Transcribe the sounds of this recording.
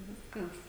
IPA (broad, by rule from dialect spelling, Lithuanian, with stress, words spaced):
ˈʋʲɪskɐs